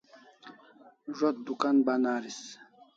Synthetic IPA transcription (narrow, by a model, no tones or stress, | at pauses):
ʐɔt̪̚d̪ukanbanaːɾis